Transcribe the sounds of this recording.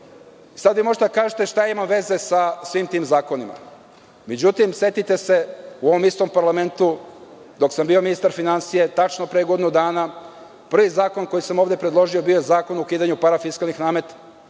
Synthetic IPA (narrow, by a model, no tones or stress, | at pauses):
isad̪ʋimo̞ʒet̪ed̪akaːʒet̪e̞ʃt̪ajaimamʋe̞ze̞sasʋimt̪iːmzaːko̞nima̰ | me̞d͡ʑut̪imse̞t̪it̪e̞se̞uo̞ʋo̞mist̪o̞mpaɾlˠame̞nt̪u | d̪o̞ksambio̞minist̪aɾfinansije̞t̪at͡ʃnopɾeːɡod̪inud̪aːna | pr̩ʋizaːkonko̞jisamo̞ːvd̪e̞pɾed̪lˠo̞ʒio̞bijo̞jezaːko̞nukiːd̪aɲupaɾafiskalˠnixnaːmet̪ḁ